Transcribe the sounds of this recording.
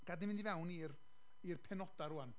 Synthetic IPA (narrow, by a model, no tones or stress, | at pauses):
ɡ̥adnɪmɪndivɛwnir | irpʰɛnɔd̥aɾuan